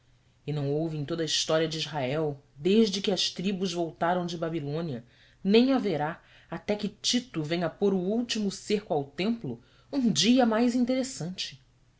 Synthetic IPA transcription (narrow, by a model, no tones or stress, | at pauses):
ɪnɐ̃w̃owvɪẽj̃t̪od̪ɐist̪ɔɾiɐd͡ʒɪizɦaɛwd̪eʒd͡ʒɪkɪɐʃt̪ɾibuzvowt̪aɾɐ̃w̃d͡ʒɪbabilõniɐ | nẽj̃aveɾa | at̪ɛkɪt͡ʃit̪ʊvẽj̃ɐpoɾʊuwt͡ʃimʊseɾkʊawt̪ẽmplʊ | ũd͡ʒiɐmajzĩnt̪eɾesɐ̃nt͡ʃɪ̥